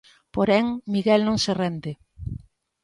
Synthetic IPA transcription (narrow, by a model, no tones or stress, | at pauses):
poɾɛŋmiɣɛlnõŋserɛnd̪ɪ